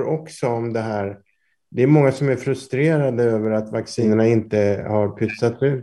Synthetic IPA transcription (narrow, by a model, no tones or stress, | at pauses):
ɾɔksɔɔmd̪ɛɦæːɾ | d̪ɛæɾmɔŋːasɔmæɾfɾɵst̪ɾeːɾad̪əøːvəɾat̪vaksiːnəɳaɪnt̪əhaɾpʰʏt̪sːat̪sʉ̟ːt̪